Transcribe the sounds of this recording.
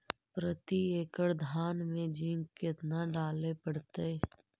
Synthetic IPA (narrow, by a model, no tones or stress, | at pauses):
pɾət̪ieːkəɽd̪ʱaːnmẽd͡ʒĩŋɡkɪt̪naɖaːlepəɽt̪e